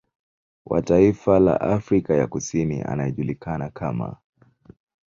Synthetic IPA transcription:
wʔa̰taifala̰ʔafɾikajakusinḭʔa̰najɛʄulikanakama̰

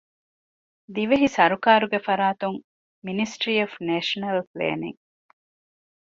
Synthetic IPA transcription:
d̪iʋeɦisɐɾukaːɾuɡefɐɾaːt̪uŋ | minisʈɾiːofneːʃɐnɐlplḛːnḭŋ

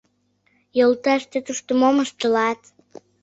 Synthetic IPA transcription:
jolt̪ɑʃt̪et̪uʃt̪əmoməʃt̪əlɑt̪

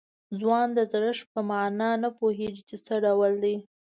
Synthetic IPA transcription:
zwɑnd̪əzɽəʂpəmɑnɑnəpoɦeɡit͡ʃet͡səɖawəld̪i

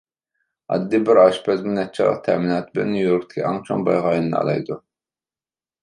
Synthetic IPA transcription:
ɑ̰d̪ːibɪɾɑʃpʰɛzmɪnɛt̪̚t͡ʃʰlˠə̰q̚t̪ʰɛminɑːt̪ʰbɪlɛ̰nːjujoɾk̚ʲt̪ʰɪ̥kʲʰiɑŋt͡ʃʰoŋbɑ̰jʁɑːjnɨnɨɑ̰lˠɑ̰jd̪u

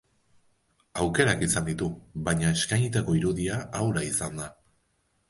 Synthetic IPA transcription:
awke̞ɾakisand̪it̪uβaɲae̞skajɲit̪ako̞iɾuðiaawɾaisand̪a

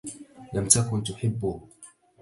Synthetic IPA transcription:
lamt̪akʊnt̪ʊħɪbːʊ

